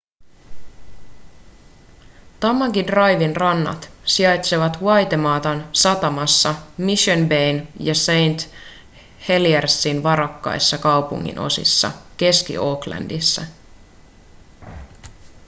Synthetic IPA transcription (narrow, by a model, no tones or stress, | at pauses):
t̪ɑmːɑɡidrɑjʋinrɑnːɑ̰t̪siɑjt̪seʋɑt̪ʋuɑjt̪e̞mɑːt̪ɑnsɑt̪ɑmɑsːɑmiʃonbejnjɑsejnt̪ | he̞liersːinʋɑɾɑkːɑ̰jsːɑkɑwpṵŋːḭnʔo̞̰sḭsːɑ̰k̟e̞skḭʔo̞ːklæ̰ndisːɑ